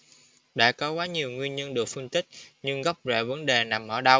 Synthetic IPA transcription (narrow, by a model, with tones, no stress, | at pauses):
ɗa̰ː˧˥kɔ˨˦kwaː˨˦ɲi˨˩əwŋwi˧ənɲə˧nɗɨ˨˩ək̚fə˧nt̪ï˦˥k̟̚ɲɨ˧ŋɣa˦˥wk͡p̚zḛ˧˩və˨˦nɗe˨˩na˨˩mʔəː˧˩ɗa˧w